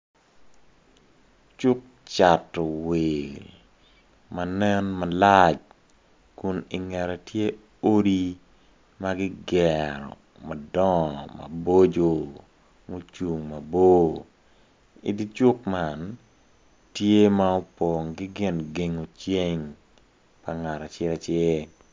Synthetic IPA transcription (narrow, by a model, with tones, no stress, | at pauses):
t͡ʃʊ˦k̚ | t͡ʃa˨tɔ˨we˨ | ma˨nɛ˦nma˨la˦t͡ʃ | kʊ˦nɪ˨ŋɛ˨ɾɛ˨tje˦ | o˦ɾi˦ | ma˦ɡɪ˦ɡɛɾɔ̰˨ | ma˨dɔ˦ŋma̰˨bo˦d͡ʒo˨ | ŋo˦t͡ʃu˨ŋma˨bo˦ | ḭdi˦t͡ʃʊ˦kman | tje˦ma˦o˦po˨ŋɡɪ˦ɡɪ˦nɡe˨ŋo˨t͡ʃe˦ŋ | pa˨ŋa˨ɾa˨t͡ʃɪ˦ɾa˨t͡ʃɪ˦